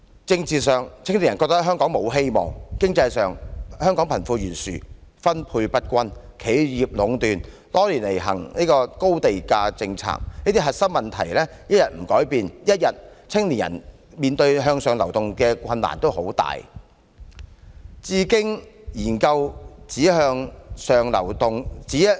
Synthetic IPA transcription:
t͡sɪ˧ŋt͡siː˨sœː˨ŋt͡sʰɪ˥ŋli˨˩njɐ˨˩nkɔː˧k̚t̪k̚ɦœː˥ŋkɔː˨˥ŋmo˨˧˥wɦe˥jmɔ̰ː˨ŋkɪ˥ŋt͡sɐ˧jsœː˨ŋhœː˥ŋkɔː˨˥ŋpʰɐ˨˩nfuː˧jyː˨˩nsy̰˨fɐ˥npʰuː˧jpɐ˥t̚kʷɐ˥n | kʰe˨˥jjiː˨p̚lʊ˨˥ŋt̪yː˨n | t̪ɔː˥liː˨˩nle˨˩jɦɐ̰˨˩ŋniː˥kɔː˧ko˥wt̪e˨jkaː˧t͡sɪ˧ŋt͡sʰa̰ː˥k̚niː˥t̪i˥ɦɐ˨t̚sɐ˥p̚mɐ˨nt̪ʰɐ˨˩jlɛː˥jɐ˥t̚jɐ˨t̚m̩˨˩kɔː˨˥jpiː˨njɐ˥t̚jɐ˨t̚t͡sʰɪ˥ŋliː˨˩njɐ̰˨˩n | miː˨˧nt̪ɵ˧ɥɦœː˧ŋsœː˨˧ŋlɐ˨˩wt̪ʊ˨ŋkɛː˧kʷʰɐ˧nːa̰ː˨˩nt̪o˥who˨˥wt̪a̰ː˨j | t͡siː˨˧kɪ˥ŋjiː˨˩nkɐ˧wt͡siː˨˥ɦœː˧ŋsœː˨ŋlɐ̰˨˩wt̪ʊ˨ŋt͡siː˨˥

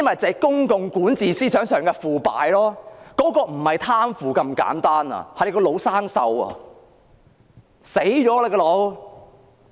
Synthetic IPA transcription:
jɐ˥nmɐ˨jt͡sɛː˨˧˩kʊ˥ŋkʊ˨˧ŋkuː˨˥nt͡siː˨siː˥t͡ʃʰœː˨˥ŋsœː˨˩ŋkɛː˧fuː˨pa̰ː˨jlɔː˥kɔː˨˥kɔː˧m̩˨˩hɐ˨jt̪ʰaː˥mfuː˨˩kɐ˧mka̰ː˨˥nt̪aː˥nɐ̰˨hɐ˨˩jkɔː˧lo˨˧˥wsaː˥ŋsɐ̰˧wɐ̰˨ | se˨˥jt͡ʃɔː˨˥lɛ˨˧kɔː˧lo˨˧w

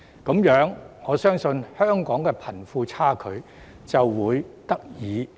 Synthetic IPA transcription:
kɐ˨˥mjœː˨˥ŋŋɔː˨˧sœː˥ŋsɵ˧nhœː˥ŋkɔː˨˥ŋkɛː˧pʰɐ˨˩nfuː˧t͡sʰaː˥kʰɵ˨˧ɥ | t͡sɐ˨wːuː˨˧jt̪ɐ˥k̚jiː˨˧

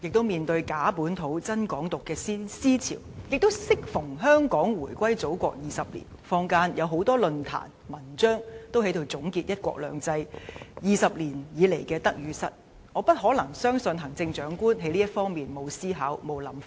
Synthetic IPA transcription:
jɪ˨k̚t̪o˥wmiː˨nt̪ɵ˧ɥkaː˨˥puː˨˥nt̪ʰo˨˥wt͡sɐ˥nkɔː˨˥ŋt̪ʊ˨kːɛː˧si˥siː˥t͡sʰḭː˨˩wjɪ˨k̚t̪o˥wsɪ˥k̚fʊ˨˩ŋɦœː˥ŋkɔː˨˥ŋwuː˨˩jkʷɐ˥jt͡so˨˥wkʷɔ̰ː˧k̚jiː˨sɐ˨p̚lḭː˨˩nfɔː˥ŋkaː˥njʔɐ˨˧wɦo˨˥wt̪ɔː˥lɵ˧nt̪ʰa̰ː˨˩nmɐ˨˩nt͡ʃœː˥ŋt̪o˥whe˨˥jt̪o˧wt͡sʊ˨˥ŋkiː˧t̚jɐ˥t̚kʷɔ̰ː˧k̚lœ̰ː˨ŋt͡sɐ˧jjiː˨˧sɐ˨p̚liː˨˩njiː˨˧le˨˩jkɛː˧t̪ɐ˥k̚jyː˨˧sɐ̰˨t̚ | ŋɔː˨˧pɐ˥t̚ɦɔː˨˥lɐ˨˩ŋsœː˥ŋsɵ˧nɦɐ˨˩ŋt͡sɪ˧ŋt͡ʃœː˨˥ŋkuː˥nɦe˨˧˥jliː˥jɐ˥t̚fɔː˥ŋmiː˨nmo˨˧wsiː˥ɦaː˨˥wmo˨˧wlɐ˨˧˥m

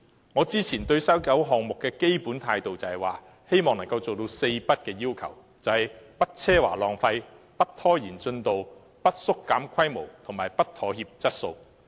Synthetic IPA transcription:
ŋɔː˨˧t͡siː˥t͡sʰiː˨˩nt̪ɵ˧ɥsɐ˥wkɐ˨˥wɦɔː˨ŋmʊ˨kːɛː˧ke˥jpuː˨˥nt̪ʰaː˧jt̪o˨wt͡sɐ˨ɐ˨waː˨ | he˥jmɔː˨ŋnɐ˨˩ŋkɐ˧wt͡so˨wt̪̬o˧wse˧jpɐ˥t̚kɛː˧jiː˥wkʰɐ̰˨˩w | t͡sɐ˨whɐ˨˩jpɐ˥t̚t͡sʰɛː˥waː˨˩lɔː˨ŋfɐ˧j | pɐ˥t̚t̪ʰːɔː˥jiː˨˩nt͡ʃɵ˧nt̪o˨w | pɐ˥t̚sʊ˥kːaː˨˥mkʷʰɐ˥jmo˨˩wt̪ʰʊ˨˩ŋmaː˨jpɐ˥t̚t̪ʰɔː˨˥hiː˧p̚t͡sɐ˥t̚so˧w

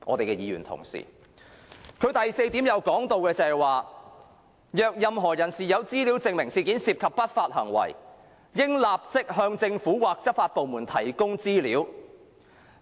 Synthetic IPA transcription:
ʔɔ̰ː˨˧t̪e˨jkɛ˧jiː˨˧˥ɥy̰ː˨˩nt̪ʰʊ̰˨˩ŋsḭ˨˩ | kʰɵ˨˧ɥt̪ɐ˨jse˧jt̪i˨˥mjɐ˨˧wkɔː˨˥ŋt̪o˨˧wkɛː˧t͡sɐ˨˩ɛ˨˩waː˨ | jœː˨k̚jɐ˨˧mɦɔː˨˩jɐ˨˩nsiː˨jɐ˨˧wt͡siː˥liː˨˥wt͡sɪ˧ŋmɪ˨˩ŋsiː˧kiː˨˥nsiː˧p̚kʰɐ˨pːɐ˥t̚faː˧t̚hɐ̰˨˩ŋwɐ̰˨˩j | jɪ˥ŋlaː˨p̚t͡sɪ˥k̚ɦœː˧ŋt͡sɪ˧ŋfuː˨˥waː˨k̚t͡sɐ˥p̚faː˧t̚po˨wmuː˨˩nt̪ʰɐ˨˩jkʊ˥ŋt͡siː˥liː˨˥w

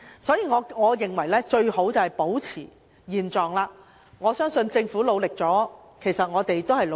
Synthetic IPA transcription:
sɔː˨˥jiː˧ŋɔː˨˧ŋɔː˨˧jɪ˨ŋwɐ˨˩jlɛː˥t͡ʃɵ˧ɥho˨˥wt͡sɐ˨whɐ˨jpo˨˥wt͡sʰiː˨˩ | jiː˨nt͡sɔː˨ŋlaː˧ | ŋɔː˨˧sœː˥ŋsɵ˧nt͡sɪ˧ŋfu˨˥lo˨˧wlɪ˨k̚t͡sɔː˨˥ | kʰe˨˩jsɐ˨t̚ŋɔː˨˧t̪e˨jt̪o˥whɐ˨jl

